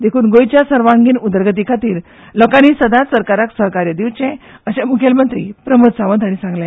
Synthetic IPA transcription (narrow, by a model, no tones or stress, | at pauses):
d̪ekʰuːnɡojt͡ɕjasəɾʋãŋɡiːnud̪əɾɡət̪̬ikʰat̪iːɾ | lɔkaɽ̃iːsəd̪ãt̪səɾkaɾaksəɦkaɾjəd̪iʋt͡ɕẽəɕẽmukʰelmənt̪ɾḭːpɾəməd̪saʋənd̪aɽ̃isãŋɡla